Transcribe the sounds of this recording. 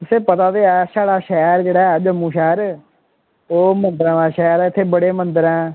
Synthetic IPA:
t̪ʊseːpət̪aːd̪eːɛːsaːɽaːʃɛːɾd͡ʒeːɽaːɛːd͡ʒəmũːʃɛːɾ | oːmənd̪əɾãːʋãːʃɛːɾɛːɪt̪ʰːeːbəɽeːmənd̪əɾɛ̃ː

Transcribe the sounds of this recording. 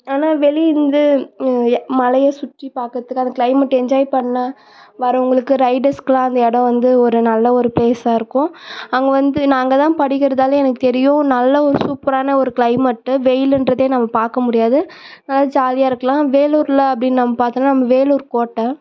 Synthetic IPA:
aːnaːʋɛliɪnd̪ɯ | mɐlɐjɐsʊʈripaːɾkɐɾɐt̪ːɯkːɐnd̪ɐkɭɐɪmɐʈːɛɲd͡ʒaːjɪpɐɳːɐ | ʋɐɾɐʊŋɡɐɭɯkːɯɾɐɪɖɐɾskɯlãːɐnd̪ɐɛɽɐ̃ʋɐnd̪ɯɔɾɯnɐlːɐɔɾɯpeːsaːɪɾɯkːʊ̃ɐŋɡɐʋɐnd̪ɯnaːŋɡɐt̪ãːpɐɽɪkːɪɾɐðaːlɛnɐkːɯt̪ɛɾɪjʊ̃nɐlːɐɔɾɯsuːpɐɾaːnɐɔɾɯkɭɐɪmɐʈːʋɛjɪlɛndɾɐðeːnɐmːɐpaːɾkɐmʊɽɪjaːðɯ | nɐlːaːðd͡ʒaːlɪjaːɪɾɯkːɐlãːʋeːluːɾlɐɐpːɐɽɪnːnɐmːɐpaːɾt̪ɯnːanɐmːɐʋeːluːɾkoːʈːɐ

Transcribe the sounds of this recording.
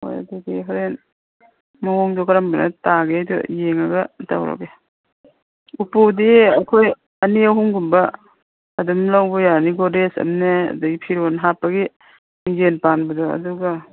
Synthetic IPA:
o̰ja̰duɡiɦɔɾen | maŋɔŋdɔkaɾambana̰taɡejdṵjeŋaɡata̰wɾa̰be | upudiɐkʰoj | ɐniawɦuŋɡumbaː | dumlawbɔjaniɡodesɐ̰mneɐ̰dɐɡipʰiɾonɦapːaɡi | mid͡ʒenpanbɐdɔɐ̰duɡa

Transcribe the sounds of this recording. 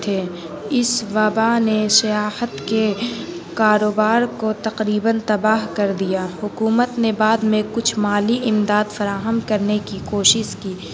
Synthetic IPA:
t̪ʰeː | ɪsʋɐbanesɐjaːhət̪ke | kaːɾoːbaːɾkot̪ɐqɾiːbənt̪ɐbaːɦkɐɾd̪ijaːhʊkuːmət̪nebaːd̪mẽkʊt͡ʃʰmaːliɪmd̪aːd̪fɐɾaːɦəmkɐɾnekikoːʃɪʃkiː

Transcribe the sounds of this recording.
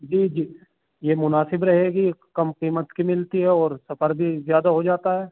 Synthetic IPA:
d͡ʒiːd͡ʒiː | jemʊnaːsɪbɾɐɦeːɡikɐmqiːmət̪kimɪlt̪iɦɛɔːɾsɐfəɾbʱizjaːd̪aɦod͡ʒaːt̪aɦɛː

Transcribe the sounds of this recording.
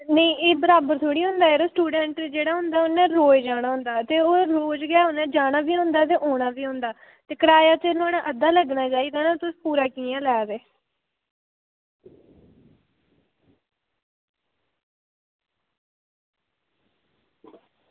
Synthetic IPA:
nəĩːʔeːbəɾaːbəɾt̪ʰoːɽiːɦʊ̃nd̪aːɾoːsʈuːɖɛːɳʈd͡ʒeːɽaːɦʊ̃nd̪aːʊnɛ̃ːɾoːjd͡ʒaːɽ̃aːɦʊ̃nd̪aːt̪eːoːɾoːd͡ʒɡɪaːɦʊ̃nd̪ãːd͡ʒaːɽaːʋiːõnd̪aːt̪̬eːʔoːɽ̃aːʋiːɦõnd̪aː | t̪eːkəɽaːjaːt͡ʃənãːnãʔəd̪aːləɡnaːt͡ʃaːiːd̪aːnãːt̪ʊspuːɾaːkiːãːlɛːɾeː

